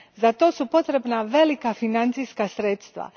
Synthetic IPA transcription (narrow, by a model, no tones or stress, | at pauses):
zat̪o̞ːsupo̞t̪ɾe̞bnaʋe̞likafinant̪sijskasɾet̪st̪ʋa̰